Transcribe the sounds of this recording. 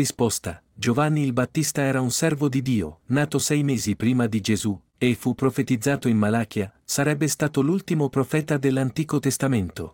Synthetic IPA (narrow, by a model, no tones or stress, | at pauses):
ispost̪a | d͡ʒovanːiːlbat̪ːist̪aɛːɾaunsɛrvod̪id̪iːo̰naːt̪osɛjmɛːzipɾiːmad̪id͡ʒezu | efːupːɾofet̪id̪zːaːt̪oinmalaːk̟jasaɾɛbːest̪aːt̪olult̪imopɾofɛːt̪ad̪elːant̪iːkot̪est̪ament̪o